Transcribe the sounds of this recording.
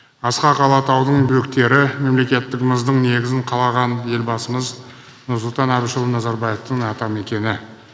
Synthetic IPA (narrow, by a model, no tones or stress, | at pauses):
ɑsqɑqʰɑlˠɑt̪ʰɑwd̪əɴbɵk̚t̪e̞ɾɪme̞mle̞kʲe̞t̪ːɪkməzd̪əɴne̞ɡʲɪzɪɴqʰɑlˠɑʁɑnje̞lbɑsəməz | nʊɾsʊlˠt̪ɑnæbɪʃəlˠənɑzɑɾbɑjeft̪əŋɑt̪ɑme̞kʲe̞nɪ